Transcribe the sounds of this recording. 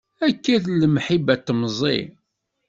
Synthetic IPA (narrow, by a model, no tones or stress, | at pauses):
ækːæðləmħibæt̪ːəmzˤḭ